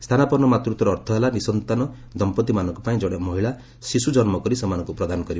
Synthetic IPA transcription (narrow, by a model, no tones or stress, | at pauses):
st̪ʰanapɔɾnɔmat̪ɾut̪ɔɾɔːɾt̪ʰɔɦelanisɔnt̪anɔ | d̪ɔmpɔt̪imanɔ̃ŋkupaĩd͡ʒɔɽemɔɦiɭa | sisud͡ʒɔnmɔkɔɾisɔmanɔŋkupɾɔd̪anɔkɔɾib